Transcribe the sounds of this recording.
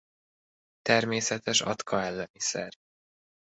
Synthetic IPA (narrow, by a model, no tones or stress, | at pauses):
t̪ɛrmeːsɛt̪ɛʃɒ̰t̪kʰɒɛlːɛmisɛ̰r